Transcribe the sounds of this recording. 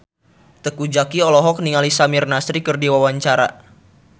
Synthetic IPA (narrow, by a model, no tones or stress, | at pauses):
t̪əkud͡ʒakiɔlɔɦɔk̚niŋalisamirnasɾikɨrdiwawaɲt͡ʃaɾa̰